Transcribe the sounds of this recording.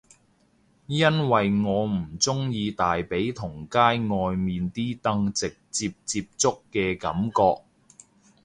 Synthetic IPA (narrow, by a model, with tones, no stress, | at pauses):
jɐ˥nwɐ˨jŋɔː˨˧m̩˨˩t͡sʊ˥ŋjiː˧t̪aː˨jpe˨˥jt̪ʰʊ˨˩ŋkaː˥jŋɔː˧jmiː˨nt̪iː˥t̪ɐ˥ŋt͡sɪ˨k̚t͡siː˧p̚t͡siː˧p̚t͡sʊ˥kːɛː˧kɐ˨˥mkɔː˧k̚